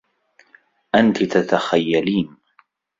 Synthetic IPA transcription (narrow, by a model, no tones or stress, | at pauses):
ʔant̪ɪt̪at̪axajːaliːn